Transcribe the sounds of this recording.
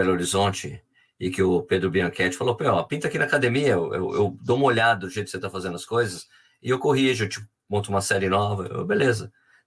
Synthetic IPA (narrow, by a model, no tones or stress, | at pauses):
eloɾizõt͡ʃɪ | ɪkɪʊped̪ɾʊbiɐ̃kɛt͡ʃɪ̥falowpẽɔpĩt̪ɐakinɐakad̪emiɐeḛwḛwd̪oũmɐoʎad̪ɐd̪ʊʒejt̪ʊ̥kset̪afazẽnd̪ʊɐskojzɐs | ɪewkoɦiʒʊet͡ʃi | mõt̪ʊũmɐsɛɾɪnɔvɐ̰ḛwbelezɐ